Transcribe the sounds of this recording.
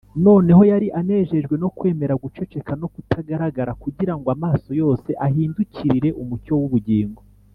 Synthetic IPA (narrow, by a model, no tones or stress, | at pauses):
no̞ːne̞ho̞jaɾiʔane̞ːʒe̞ʒɡwe̞no̞kwe̞ːme̞ɾaɡut͡ʃo̞t͡ʃe̞kano̞kutʰaɡaɾaɡaɾakuɟiɾaŋɡoamaːso̞jo̞ːse̞ʔaɦiːnduciɾiɾe̞ʔumuco̞wuβuɟiːŋɡo̞